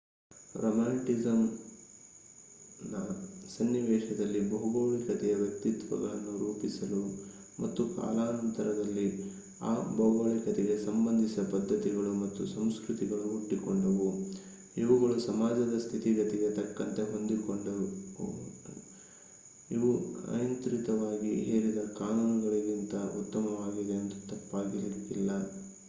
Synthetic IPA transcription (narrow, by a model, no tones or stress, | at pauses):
ɾomaːɳʈizɐm | nɐsɐnːiʋɛːʂɐd̪ɐlːibɐɦuɡɐwɭikɐt̪ɛjɐʋjɐk̚t̪it̪ʋɐ̰ɡɐɭɐnːuɾuːpisɐlu | mɐt̪ːuka̰ːlaːnɐnt̪ɐɾɐd̪ɐlːi | aːbɐwɡɐɭikɐt̪ɛɡe̞sɐmbɐnd̪ʱisɐpɐd̪ʱːɐt̪iɡɐɭumɐt̪ːusɐmskɾut̪iɡɐɭuːʈːikoɳɖɐʋu | iʋuɡɐɭusɐmaːd͡ʒɐd̪ɐst̪ʰit̪iɡɐt̪ɛɡet̪ɐkːɐnt̪e̞ɦo̞nd̪ikoɳɖɐ | iʋuɐ̰jɐnt̪ɾit̪ɐʋaːɡiḛːɾid̪ɐkaːnunuɡɐɭiɡint̪ɐʔṵt̪ːɐmɐʋaːɡid̪e̞ɐnt̪ɐ̥t̪ɐpːaːɡilit̪ːilːɐ